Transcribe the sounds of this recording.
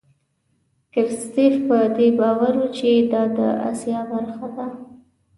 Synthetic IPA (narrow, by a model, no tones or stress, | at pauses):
kɪɾst̪efpəd̪ebɑwaɾwut͡ʃed̪ɑd̪ə̰a̰sjɑbaɾxad̪a